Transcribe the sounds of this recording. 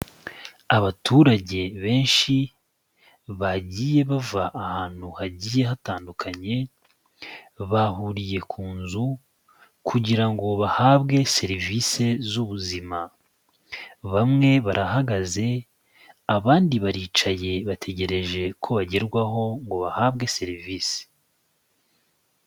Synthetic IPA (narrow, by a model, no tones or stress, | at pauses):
aβatʰuɾaɟe̞βe̞ːnʃi | βaɟiːje̞βavaʔːhaːn̥huhaɟiːje̞hataːndukʰaɲe̞ | βahuɾije̞kʰuːnzu | kʰuɟiɾaŋɡo̞βahaːβɡe̞se̞ɾivise̞zuβuzima | βamŋe̞βaɾʔahaɡaze̞ | aβaːndiβaɾiːt͡ʃaje̞βatʰe̞ɟe̞ɾe̞ʒe̞kʰo̞βaɟe̞ɾɡwaɦo̞ŋɡo̞βahaːβɡe̞se̞ɾiviːse̥